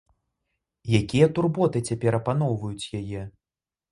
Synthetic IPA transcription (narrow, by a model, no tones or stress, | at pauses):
jakʲijɛt̪urbɔt̪ɨt͡sʲapʲɛɾɐpanɔwvɐjut͡sʲjajɛ